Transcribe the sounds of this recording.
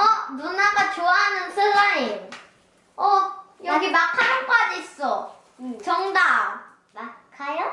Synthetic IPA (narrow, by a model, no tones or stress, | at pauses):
ʌbunaɡat͡ɕoaɦanɯnsʰɯɡaɾi | ʌjʌɡimakʰaɾʌnk͈ad͡ʑiːs͈ʌ | t͡ɕʌŋda | akʰajo